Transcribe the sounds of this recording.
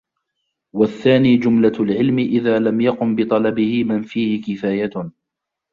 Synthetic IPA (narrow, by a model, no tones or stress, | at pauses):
waθːaːniːd͡ʒʊmlalʕɪlmɪʔɪðaːlamjɑqʊmbɪt̪ˤɑlɑbɪhɪmanfiːhɪkɪfaːja